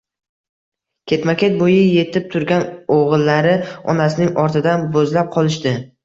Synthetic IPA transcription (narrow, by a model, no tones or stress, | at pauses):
kʲʰe̞t̪makʲʰe̞t̪̚bojɪje̞t̪ʰɪp̚t̪ʰʊɾɡʲanoʁɨlˠːaɾɪɒ̰nasɪnɪŋɒɾt̪ʰɪd̪anbɵzlap̚qʰɒlˠɪʃt̪ɪ